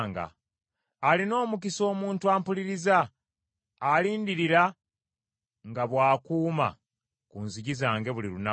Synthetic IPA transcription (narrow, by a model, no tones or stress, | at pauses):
ŋɡa̰ː | lino̞ːmukiso̞ːmuːntuaːmpuliɾizaː | liːndiɾiɾa | ŋɡaβwaːkuːma̰ | kunziɟizaːŋɡe̞βuliluna